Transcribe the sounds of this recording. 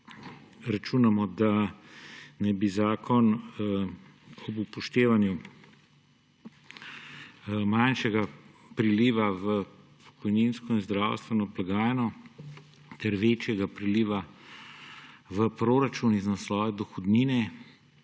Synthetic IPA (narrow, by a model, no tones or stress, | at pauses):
ɾat͡ʃunamɔd̪a | nɛjbizaːkʰɔn | ɔbupɔʃt̪eːʋanju | manʃɛɡa | pɾiliːʋaʋə | pʰɔ̥kɔjniːnskɔinzd̪ɾaːwst̪ʋɛnɔblaɡaːjɛnɔ | t̪ɛɾʋeːt͡ʃjɛɡapɾiliːʋa | ʋəpɾoɾat͡ʃuniznaslɔːʋɛd̪ɔxɔd̪niːnɛ